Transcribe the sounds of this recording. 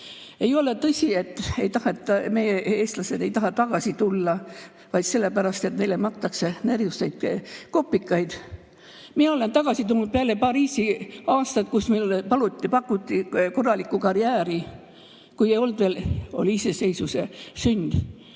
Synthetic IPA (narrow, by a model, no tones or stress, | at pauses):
e̞jo̞le̞t̪ɤsʲie̞t̪ːˑe̞jt̪ɑhet̪ːme̞jee̞ːst̪lɑse̞d̪̥ejt̪ɑɦɑt̪ɑɡ̥ɑsit̪ulːɑ | vɑjd̪̥se̞lːepæɾɑst̪e̞t̪ne̞jlemɑk̪t̪ːˑɑksenærjust̪ɑjt̪ko̞pːikːˑɑjd̪̥ | mieo̞le̞nt̪ɑɡ̥ɑsit̪ulnud̪̚peæle̞pɑriːsiɑːst̪ɑt̪̚kusmelpɑlut̪ʲːipɑkːˑut̪ʲːiko̞rːɑlikːˑukɑriæːɾi | kujejo̞ld̪̥ve̞ːlo̞̰liise̞se̞jsuse̞synʲd̪̥